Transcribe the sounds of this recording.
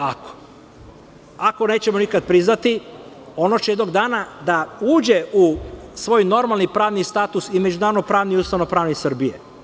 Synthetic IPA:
ako̥ | ako̞ne̞ːt͡ɕe̞mo̞nikad̪̚pɾiznat̪i | o̞not͡ɕejed̪no̞ɡd̪aːnad̪auːd͡ʑe̞ʔusʋo̞ːjno̞ɾmalˠnipɾaːʋnist̪aːt̪usime̞d͡ʒunaːɾod̪nopɾaːʋniuːst̪aʋno̞pɾaːʋnisrbije

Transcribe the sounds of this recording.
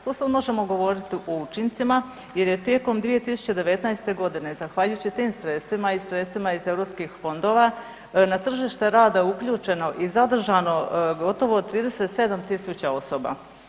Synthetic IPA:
t̪oːsad̪mo̞ʒe̞mo̞ɡo̞ʋo̞ɾit̪iʔo̞ut͡ʃint̪sima | je̞ɾje̞t̪jeko̞md̪ʋije̞t̪isu̥t͡ɕe̞d̪e̞ʋe̞t̪najst̪e̞ɡo̞d̪ine̞zaxʋaːʎujut͡ɕit̪iːmsɾet̪st̪ʋimaisɾe̞t̪st̪ʋimaize̞ʋɾo̞pskixfo̞nd̪o̞ʋa | nat̪r̩ʒiʃt̪e̞ɾaːd̪aukʎuːt͡ʃe̞no̞ʔizad̪r̩ʒano̞ɡo̞t̪oʋo̞t̪ɾiːd̪ese̞t̪se̞d̪amt̪isut͡ɕao̞soba̰

